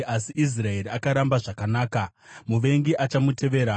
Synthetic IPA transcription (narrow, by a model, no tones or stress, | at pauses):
asiʔis̬rae̞ɾiakaɾambaʐakanaːkamuʋe̞ŋɡiʔat͡ʃamute̞ʋe̞ːɾa